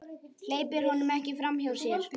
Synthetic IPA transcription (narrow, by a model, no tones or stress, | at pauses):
l̥eːjpɪɾ̥hɔnʏmɛhcɪfɾamçawɾ̥sɛɾ̥